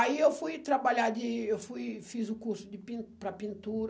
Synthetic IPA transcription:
aiewfujt̪ɾabaʎad͡ʒ̪ɪewfujfizʊkuɾsʊd͡ʒɪpĩpɾɐpĩnt̪uɾ

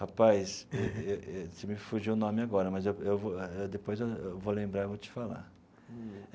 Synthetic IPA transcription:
hapajseeesɪmɪfuʒiwʊnõmɪaɡɔɾɐmɐzewewvoewd̪epojzewewvolẽmbɾaevot͡ʃɪ̥fala̰

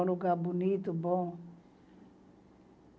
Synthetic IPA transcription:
nuɡabunit̪ubɔŋ

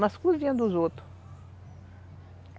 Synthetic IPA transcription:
mɐskuzvĩɐ̃d̪uzot̪ɾʊ

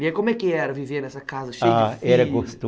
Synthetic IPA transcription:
iɛkõmwɛkɪɛɾɐvivenɛsɐkazɐʃeafɛɾɐɡost̪o

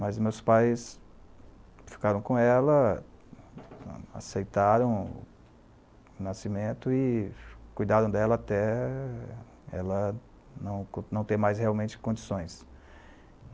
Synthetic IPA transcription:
mɐzmewspajs | fi̥kaɾɐ̃w̃kõɛlɐ | a̰sejt̪aɾɐ̃w̃ | ʊnasimẽnt̪ʊɪkujd̪aɾɐ̃w̃d̪ɛlɐat̪ɛ | ɛ̰lɐ | nɐ̃w̃knɐ̃w̃t̪ẽj̃majsheawmẽnt͡ʃɪ̥kõd͡ʒisõj̃s

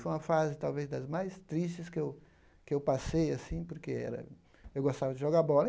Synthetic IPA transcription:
fojũɐfazɪt̪awvezd̪ɐzmajst̪ɾis̬t͡ʃɪskɪew | kɪewpasejasĩpoɾkeɛ̰ɾɐ̰ | ewɡost̪avɐd͡ʒɪʒoɡabɔlɐ

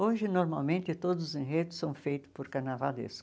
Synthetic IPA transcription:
oʒɪnoɾmawmẽnt̪ɪt̪od̪ʊzʊzẽɦed̪ʊsːɐ̃w̃fejt̪ʊspoɾkanavad̪ḛs

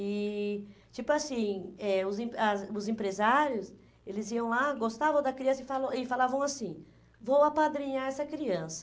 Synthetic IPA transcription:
ɪ | t͡ʃipʊasĩɛʊzẽpɐzʊzẽpɾezaɾjʊs | elɪziɐ̃w̃laɡost̪avɐ̃w̃d̪ɐkɾiɐ̃sɐɪfalɐ̃ɪfalavɐ̃w̃asĩ | vowapad̪ɾĩɲaɛsɐkɾiɐ̃sɐ̥

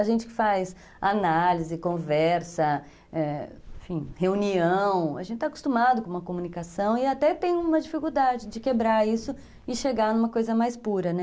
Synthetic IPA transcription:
aʒẽnt͡ʃɪkɪ̥fajs | analizɪkõvɛɾsɐ | ɛeẽfĩheuniɐ̃w̃a̰ʒẽnt͡ʃɪt̪aku̥st̪umad̪ʊkõũmɐkomũnikasɐ̃w̃ɪat̪ɛt̪ẽj̃ũmɐd͡ʒifikuwd̪ad͡ʒɪd͡ʒɪkebɾaɾisʊ | ɪʃeɡaɾnũmɐkojzɐmajspuɾɐnɛ

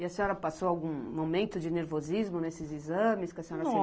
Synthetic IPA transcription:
ɪɐsẽɔɾɐpasowawɡũmomẽnt̪ʊd͡ʒɪneɾvozizmʊnesɪzizɐ̃mɪskɪɐseɲɔɾɐs

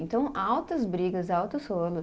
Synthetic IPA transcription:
ẽnt̪ɐ̃w̃awt̪ɐzbɾiɡɐzawt̪ʊsolʊ

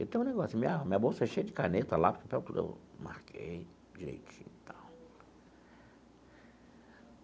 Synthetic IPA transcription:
ḛwt̪ẽj̃ũnɛɡɔsimĩɐmĩɲɐbosʃejd͡ʒɪkanet̪ɐlapkupɛwkud̪ḛwma̰ɾkʰḛj | d͡ʒiɾḛjt͡ʃḭ̃nt̪ʰaw

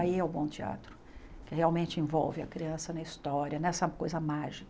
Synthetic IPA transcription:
aiɛwbõw̃t͡ʃia̰t̪ɾʊ | kɪheawmẽnt͡ʃɪẽvɔ̰wvɪɐkɾiɐ̃sɐnɐist̪ɔɾiɐnɛsɐkojzɐmaʒik

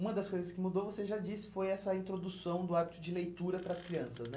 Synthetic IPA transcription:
ũmɐd̪ɐskojzɐskɪmud̪ovoseʒad͡ʒisɪ̥fojɛsɐĩnt̪ɾod̪usɐ̃w̃d̪ʊabit̪ʊd͡ʒɪlejt̪uɾɐpɾɐskɾiɐ̃sɐsnɛ

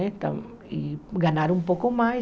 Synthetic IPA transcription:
et̪a̰m | iɡanaɾumpokoma

